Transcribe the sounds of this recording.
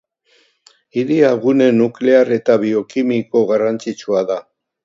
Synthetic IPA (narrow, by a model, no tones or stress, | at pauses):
iɾiaɣune̞nukle̞are̞t̪aβio̞kimiko̞ɣarant͡sit͡ʃuaða